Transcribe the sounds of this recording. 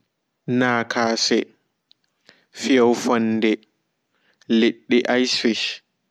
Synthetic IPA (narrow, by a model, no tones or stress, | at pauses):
naːkʰaːsɛ | fijawfɔnːdɛ | leɗːiʔajsfiʃ